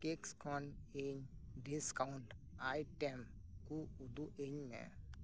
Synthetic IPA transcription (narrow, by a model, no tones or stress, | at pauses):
keːkskɔːneːɲɖɪskaʊɳʈaːiʈem | kuʊd̪uʔeɲmḛ̃